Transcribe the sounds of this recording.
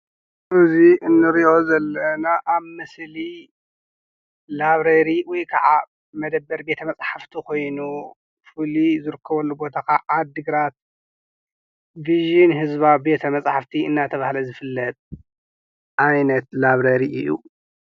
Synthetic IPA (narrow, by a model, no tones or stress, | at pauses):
ʔɨziɨnːɨɾiʔo̞zɐlːɐnaʔaβmɨsli | laβɾɐɾiwɔjkʰɐʕa | mɐd̪ɐbːɐɾbe̞t̪ʰɐmɐt͡sʼħaft̪ʰikʰo̞jnu | fɨlizɨɾɨkʰːɐβɐlːubo̞t̪ʰakaʔad̪ɨɡɾat̪̚ | viʒinɦɨzbabe̞t̪ʰɐmɐsʼħaft̪ʰiɨnːat̪ʰɐβahlɐzɨfɨlːɐt̪ʼ | ʔajnɐt̪laβɾɐɾiʔɨjːṵ